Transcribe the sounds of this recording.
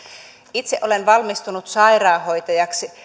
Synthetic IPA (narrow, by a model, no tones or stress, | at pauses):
it̪seʔole̞nʋɑlmist̪unut̪sɑirɑːho̞jt̪ɑjɑksi